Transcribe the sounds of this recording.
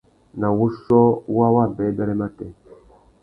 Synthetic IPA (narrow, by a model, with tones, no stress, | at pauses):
na˨wu˦ʃɔ˦wa˦wa˦˨bɛ˨˦da˦ɾe˦ma˦tɛ˨